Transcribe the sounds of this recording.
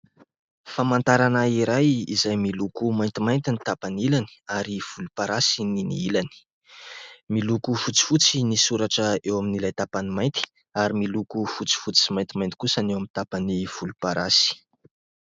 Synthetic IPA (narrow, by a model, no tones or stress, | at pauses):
famant̪aɾanaiɾajizajmilukumajnt̪imajnt̪init̪apanilani̥aɾiv̥ulupaɾasininḭilani̥ | milukufut͡si̥fut͡sinisuɾaʈ͡ʂəewaminilajt̪apanimajnt̪i̥ | aɾimilukufut͡si̥fut͡si̥simajnt̪imajnt̪i̥kusanewamint̪apaniv̥ulupaɾasi̥